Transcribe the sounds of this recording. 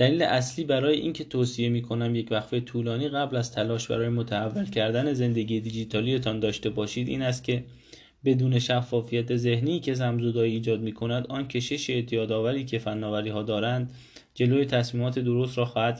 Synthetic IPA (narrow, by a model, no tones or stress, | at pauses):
d̪̥æliːlḛʔæsliːbæɾɒːje̞ʔiːncʰe̞t̪ʰoːsije̞miːkʰo̞næmje̞cvæxfet̪ʰuːlɒːniːɣæblæzt̪ʰælɒːʃbæ̰ɾɒːje̞mot̪ʰæævːælcʰæɾd̪æne̞ze̞nd̪e̞ɟiːjed̪id͡ʒit̪ʰɒːlije̞t̪ʰɒːnd̪ɒːʃt̪e̞bɒːʃiːd̪iːnæst̪̚cʰʲe̞ | be̞d̪uːne̞ʃæfːɒːfijæt̪ʰeze̞hniːcʰe̞zæmzod̪ɒːiiːd͡ʒɒːd̪̚miːkʰo̞næd̪ɒːncʲʰe̞ʃe̞ʃeːt̪ʰijɒːd̪ɒːvæɾiːcʰe̞fænːɒːvæɾiːhɒːd̪ɒːɾænd̪ | d͡ʒe̞loːjet̪ʰæsmiːmɒːt̪ʰe̞d̪o̞ɾost̪ɾɒːxɒːhæd̪̥